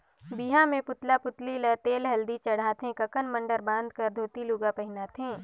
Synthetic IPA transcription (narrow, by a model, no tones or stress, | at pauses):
biɦãmẽpʊt̪lapʊt̪lilət̪eːlɦɐld̪it͡ʃɐɽ̤aːt̪ɦẽkɐkənmə̃ɳɖəɾbãːnd̪̚kɐɾd̪ʱoːt̪ilʊɡapɐɦɪnaːt̪ɦẽː